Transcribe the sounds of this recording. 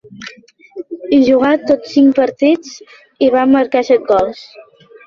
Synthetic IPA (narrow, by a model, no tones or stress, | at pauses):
iʒuɣat̪ot͡sːiŋkpəɾt̪it͡s | iβamːəɾkasɛt̪̚ɡɔlˠs